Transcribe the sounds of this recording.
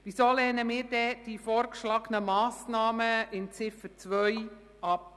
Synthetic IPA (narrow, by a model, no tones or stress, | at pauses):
ʋisoːlɛːnəmɪːɾdɛd̥ifɔːɾkʃlɑɡənəmɑːsnɑːməɪnt͡sɪfəɾt͡svœʏ | ɑp̚